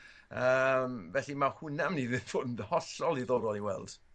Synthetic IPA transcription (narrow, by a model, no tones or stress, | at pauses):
əmvɛɬimahʊnamniðɪfʰʊdndhɔɬɔlˠiðoːɾɔlˠiwɛ̰lˠd̥